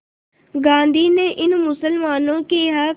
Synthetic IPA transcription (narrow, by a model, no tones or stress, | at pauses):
ɡãːnd̪ʱiːneːʔɪnmʊsəlmaːnõːkiːɦaː